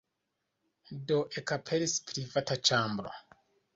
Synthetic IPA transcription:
doʔekapʰeɾispɾivatat͡ʃambɾo̰

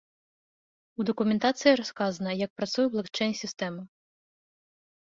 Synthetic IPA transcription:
ud̪ɔkumʲɛnt̪at̪sɨjiɾɔskazɐnɐjɐk̚pɾat̪sujɛblˠɐkt͡ʂɛjnʲsʲist̪ɛmɨ

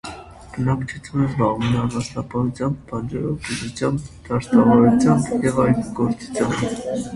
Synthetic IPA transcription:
b̥ənɑkt͡ʃʰut͡sʰjunəzbɑʁvunːnɑst̪ɑpɑɦut͡sʰjɑmb̚ːɑnd͡ʒɛɾɔ̰kuzut͡sʰjɑmbd̪̥ɑɾst̪ɑvɑɾut͡sʰjɑmbjɛvɑjkɡɔɾt͡su̥t͡sʰjɑmb

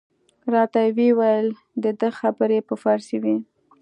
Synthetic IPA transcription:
ɾɑt̪awewajəl | d̪əd̪əxabəɾepəfaɾsiwi

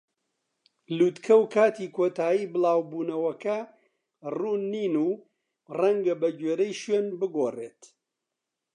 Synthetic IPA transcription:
luːt̪kʰɐwkʰaːt̪iːkʰoːt̪aːjiːbɨlˠaːwbuːnɐwɐkɐ | ruːnːiːnuː | rɐŋɡɐbɐɟweːɾɐjʃweːnbɨɡoːreːt̪

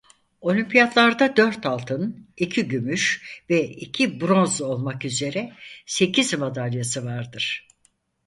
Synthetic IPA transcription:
o̞lʲimpʰijat̪lˠaɾd̪ad̪øɾt̪ʰalˠt̪ʰɯnicʰiɟymyʃvɛicʰibɾo̞nzo̞lˠmakyze̞ɾɛse̞cʰizmad̪alʲjasɯvaɾd̪ɯɾ̥

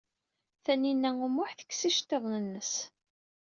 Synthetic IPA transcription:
θæninːæumʊħθə̥kːsiʃt̪ːəðˤnənːəs

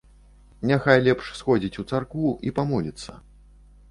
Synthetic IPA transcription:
nʲaxajlʲɛpʂsxɔd͡zʲit͡sʲut̪sarkuipamɔlʲit̪sːɐ̰

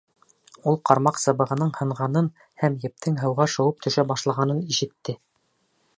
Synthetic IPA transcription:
ulˠqɑɾmɑqsɤ̆βɤ̆ʁɤ̆nɤɴhɤ̆ɴʁɑnɤn | hæmjɘ̆p̚t̪ʰɘŋɦɤ̆wʁɑʃɤ̆wɤp̚t̪ʰɵ̆ʃæbɑʃlˠɑʁɑnɤniʃɘ̆t̪ːɘ

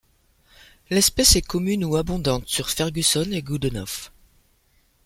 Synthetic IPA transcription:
lɛspɛsɛkɔmynuabɔ̃d̪ɑ̃t̪syʁfɛʁɡʲysɔneɡud̪ənɔf

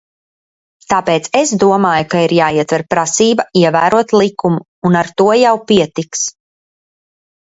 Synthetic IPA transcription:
t̪aːpeːt̪sesd̪uɔmaːjukaiɾjaːiɛt̪vɛɾpɾasiːbaiɛvæːɾuɔt̪lˠikumuːnaɾt̪uɔjawpiɛt̪iks

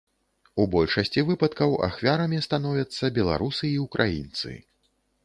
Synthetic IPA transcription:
ubɔlʲʂɐsʲt͡sʲivɨpɐt̪kɐwʔa̰xvʲaɾɐmʲist̪anɔvʲɐt̪sːɐbʲɛlˠa̰ɾusɨːukɾʔajḭnt̪sɨ̰

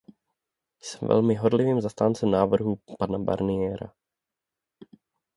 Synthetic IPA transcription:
jsɛmvɛ̰lmɪɦoɾlɪviːmzast̪aːnt͡sɛmnaːvr̩ɦupanaba̰ɾnɪɛːɾa̰

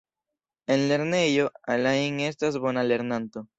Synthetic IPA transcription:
e̞nle̞ɾne̞jo̞alaiŋe̞s̬tas̬bo̞nale̞ɾnanto̞

